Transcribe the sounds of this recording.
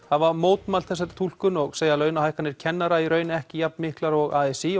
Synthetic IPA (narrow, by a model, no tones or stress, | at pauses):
havaɾmoːwt̪malθɛsːaɾt̪ʰul̥kʏnɔɣseːjalœɥnahajhkanːɪɾ̥cʰɛnːaɾaiɾœːɥnɛhcɪjap̚nmɪhklaɾɔɣaːɛsi